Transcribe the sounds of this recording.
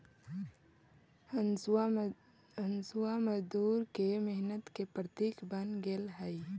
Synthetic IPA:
ənsuaməd͡ʒd̪uːɾkemɪɦnət̪kepɾət̪iːkbənɡelɦɛi

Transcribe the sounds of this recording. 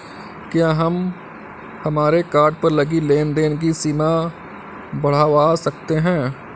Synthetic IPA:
kjaːɦɐm | hɐmaːɾekaːɾɖ̚pɐɾlɐɡileːnd̪eːnk̬isiːma | bɐɽ̤aːʋasɐk̚t̪eɦɛ̃ː

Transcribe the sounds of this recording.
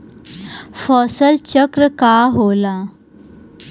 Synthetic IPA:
fɔsəlt͡ɕəkɾəkaɦola

